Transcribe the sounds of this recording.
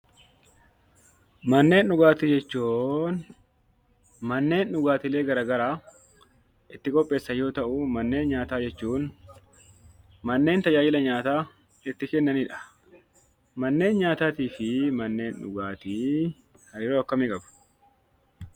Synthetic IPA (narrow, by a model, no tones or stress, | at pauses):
mɐnːe̞ːnᶑʊɡaːt̪iːd͡ʒɛt͡ʃːuːn | mɐnːe̞ːnᶑʊɡaːt̪ɪle̞ːɡɐɾaːɡɐɾaː | ɪt̪ːɪkʼɔpʼːe̞ːsːɐjo̞ːt̪ɐʔʊmɐnːe̞ːnɲaːt̪aːd͡ʒɛt͡ʃːuːn | mɐnːe̞ːnt̪ɐd͡ʒaːd͡ʒɪlɐɲaːt̪aː | ɪt̪ːɪkɛnːɐniːᶑɐ̥ | mɐnːe̞ːnɲaːt̪aːt̪iːfɪmɐnːe̞ːnᶑʊ̰ɡaːt̪i | hɐjɪɾoːɐkːɐmɪkʼɐbʊ̥